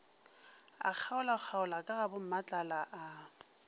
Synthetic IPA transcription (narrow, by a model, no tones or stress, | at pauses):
a̰k͡xʰaʊlak͡xʰaʊlakʼaɣabʊm̩mat͡ɬʼalaʔa